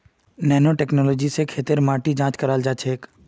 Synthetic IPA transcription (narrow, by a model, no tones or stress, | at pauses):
nɛːnoʈɛːknɔːloːd͡ʒisekʰeːt̪ɪɾmãːʈid͡ʒãːt͡ʃkɐɾaːld͡ʒaːt͡ʃʰeːk